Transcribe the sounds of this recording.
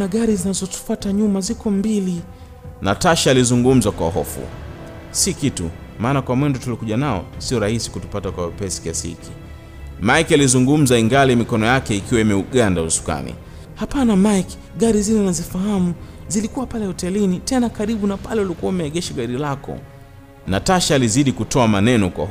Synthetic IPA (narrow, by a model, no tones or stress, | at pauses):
naɠaɾizinazɔtu̥fataɲumazikɔmbili | na̰taʃaːlizuŋɡum̩zakwa̰ɦɔ̰fṵ | sikitṵ | maːnakwamwɛndɔtulikuʄanaɔ̰siɔɾahisi̥kutu̥patakwapɛsi̥kɛshḭkʰi | maikializuŋɡum̩zaiŋɡalimikɔnɔjakɛikiwaimɛuɠandausu̥ka̰nḭ | hapanamajki̥ | ɠaɾizilɛnazifaɦamuzilikuwapalɛhɔtɛlinitɛnakaɾiɓunapalɛulikuwaumɛɛɠɛʃaɠaɾilakɔ̰ | nataʃaːliziɗikutʰɔamanɛnɔkwa̰